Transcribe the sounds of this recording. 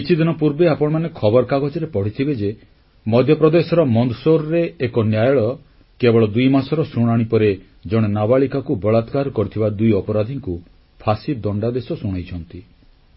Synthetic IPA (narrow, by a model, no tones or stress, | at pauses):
kit͡ʃʰid̪inɔpuɾbeapɔɽ̃ɔmanekʰɔbɔɾkaɡɔd͡ʒɔɾepɔɽ̤it̪ʰibed͡ʒe | mɔd̪ʱjɔpɾɔd̪esɔɾɔmɔnd̪soɾɔɾeːkɔnjajɔɭɔ | kebɔɭɔd̪ujmasɔɾɔsuɽ̃aɽ̃ipɔɾe | d͡ʒɔɽ̃enabaɭikakubɔɭat̪kaɾkɔɾit̪ʰibad̪ujɔpɔɾad̪ʱiŋku | pʰasid̪ɔɳɖad̪esɔsuɽ̃ajt͡ʃʰɔnt̪i